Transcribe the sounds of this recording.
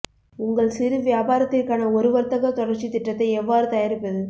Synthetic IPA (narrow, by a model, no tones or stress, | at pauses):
ʊŋɡɐɭsɪɾɯʋɪjaːbaːɾɐt̪ːɪrkaːnɐɔɾɯʋɐɾt̪ɐɣɐt̪ɔɽɐɾt͡ʃit̪ɪʈːɐt̪ːɐɪɛʋːaːɾɯt̪ɐjɐɾɪpːɐðɯ